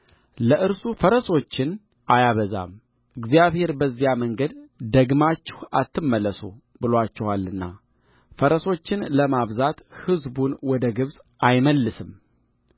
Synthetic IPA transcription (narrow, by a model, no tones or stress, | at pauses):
ləʔɨɾsufəɾəso̞t͡ʃːɪn | ʔajaβəza̰m | ɨɡzijaβhe̞ɾbəzːijaməŋɡəd̪d̪əɡmat͡ʃːɛhat̪ʰːɨmːələsu | bɨlwat͡ʃːɛhalːɨnːa̰ | fəɾəso̞t͡ʃːɪnləmaβzat̪hɨzbunwɔd̪əɡɨβsʼ | ajməlːɨsɨm